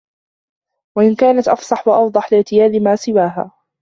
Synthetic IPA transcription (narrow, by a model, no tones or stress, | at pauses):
waʔɪnkaːnat̪ʔɑfsˤɑħwɑʔɑfd̪ˤɑħlɪʕt̪ɪjaːlɪmaːsɪwaːɦa̰ː